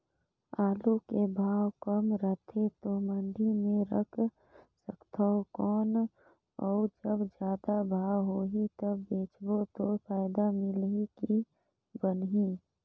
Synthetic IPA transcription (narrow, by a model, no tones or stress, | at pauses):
aːlukebʱaːwkəmɾət̪ʰet̪omənɖʱimẽɾəkʰ | səkt̪ʰaokɔːn | ɔːd͡ʒəbd͡ʒjaːd̪abʱaːwɦoːɦit̪əbːeːt͡ʃbot̪opʰaːɪd̪amɪlɦiki | bənɦiː